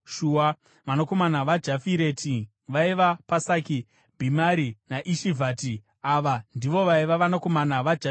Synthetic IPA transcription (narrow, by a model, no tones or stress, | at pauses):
ʃuːwa | manoko̞manaʋad͡ʒafiɾe̞tʰi | ʋaiʋapasaːki | bʱimaɾinaʔiʃivʱaːti | aːʋandiʋo̞ʋaiʋaʋanako̞manaʋad͡ʒa